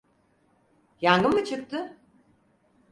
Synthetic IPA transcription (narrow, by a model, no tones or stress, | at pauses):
jaŋɡɯmɯt͡ʃʰɯk̚t̪ɯ